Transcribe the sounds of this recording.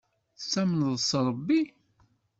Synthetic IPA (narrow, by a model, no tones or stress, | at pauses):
θsːæmənðˤsˤɾˤəbːi